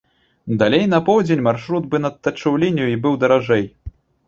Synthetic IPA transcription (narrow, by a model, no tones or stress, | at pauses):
d̪alʲejnɐpɔwd͡zʲenʲmarʂɾud̪bɨnɐt̪ːɐt͡ʂɨwlʲenʲjuibɨwd̪ɐɾaʐɛj